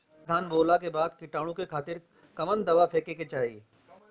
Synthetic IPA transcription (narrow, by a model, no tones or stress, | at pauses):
d̪ʱaːnboːlakebaːd̪kɪʈaːɽ̃ũkekʰaːt̪ɪɾ | kɐmənd̪ɐʋapʰeːkeket͡ʃaːḭː